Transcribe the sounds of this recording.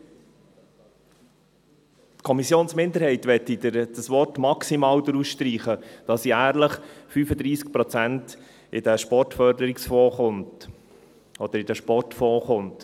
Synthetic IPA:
tkʰɔmisjoːnsmɪnd̪əɾhɛɪtʋɛtːidəd̥əsʋɔrtmɑksimɑːwd̪əɾusʃtɾiːχəd̥ɑsiæːɾləχfyfəd̪ɾiːsk̚pɾɔt͡sænt | ʔɪd̥əʃpɔrtfœɾdəɾɪksfɔːχʊnt | ɔd̥̪əɾɪd̥əʃpɔrtfɔːχʊnt

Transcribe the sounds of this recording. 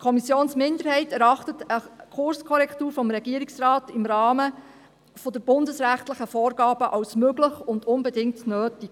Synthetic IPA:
kʰɔmisjoːnsmɪndəɾhɛɪtɛɾɑχtətəkʰʊrskʰɔɾɛktuːɾfɔmɾɛɡiəɾiksrɑːtɪmɾɑːmə | fɔdəɾb̥ʊndəsræχtləχəfɔːrɡɑːb̥əʔɑwsmøɡləχʊndʊnbɛdɪŋtnøːtik

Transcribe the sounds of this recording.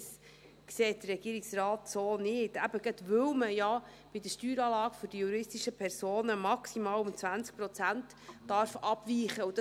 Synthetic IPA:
s | kseːt̚d̥̪əɾːɛɡ̥iːɾɪksɾɑːtsoːnɪːtæbəɡ̥ətʋɵwməjɑ | b̥id̪əʃtyːɾɑːlɑːɡ̥føɾd̥ijuɾɪstiʃəpʰɛɾsoːnəmɑksimɑːlʊmt͡sʋænt͡sk̚pɾɔt͡sæntː | ɑɾfɑb̥viːχəud̥ɑ

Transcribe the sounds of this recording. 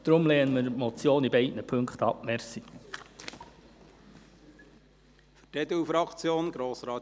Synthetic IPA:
d̥ɾʊmleːənməɾmot͡sjoːnibɛɪtnəpʰɵŋkχt̪ɑpmɛrsi | fytɛd̪ufɾɑkt͡sjoːnɡɾoːsɾɑː

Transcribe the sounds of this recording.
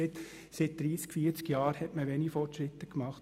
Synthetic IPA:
ɪt | sɪt̚d̥̪ɾiːskfiːəɾt͡skjɑːɾhɛtməʋɛnifɔtʃɾɪt̪ːəkmɑχt

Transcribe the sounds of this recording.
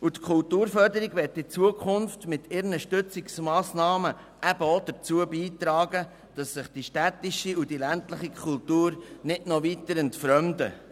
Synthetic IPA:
utkʰʊltuːɾfœɾdəɾiɡʋɛtːɪt͡suəkʰʊnftmɪtʰɪɾnəʃtʏt͡sɪksmɑːsnɑːmə | ʔæb̥əod̥̪əɾt͡suəbiːt̪ɾɑːɡə | d̥ɑsːɪχd̥iʃtætɪʃiudilæntləχikʰultuːɾnɪdnovitəɾəntfɾœmd̪ə̰

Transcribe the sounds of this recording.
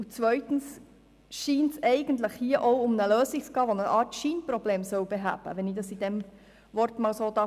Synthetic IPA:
ʊt͡svʋœʏtn̩s | ʃiːntsɛɪɡ̥əntləχhiːəʔɔʊʊmnəløːsit͡sɡ̥ɑːʋonəʔɑːɾtʃiːnpɾɔbleːmsœwbeɦæ̰ːb̥ə̰ʋɛnidɑsid̥ɛm | vɔɾtmɑːlsoːd̥̪ɑ

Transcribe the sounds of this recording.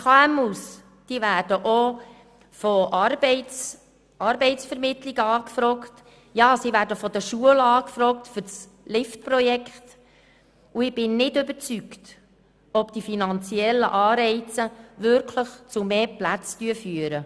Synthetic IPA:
kɑæmus | d̥ivæːɾd̥əʔo | foʔɑɾbɛɪt͡s | ɑɾbɛɪt͡sfɛɾmɪt̪liɡəɑːkfɾɔkt | jɑːsivæːɾdəfɔd̪əʃuəlɑːkfɾɔk̚tfʏt͡s | lɪftpɾɔjɛkχt | uɪb̥ɪnːɪdʏbət͡sykt | ɔbd̥ifinɑnt͡siɛlːə̰ʔɑːɾɛɪt͡səʋʏɾkʰləχt͡sumeːplæt͡styəfyəɾə

